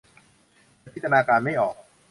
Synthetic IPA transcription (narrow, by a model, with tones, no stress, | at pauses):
t̪pʰi˦˥t̪ʰːa˧naː˧kaː˧nma˥˩jʔɔː˨˩k̚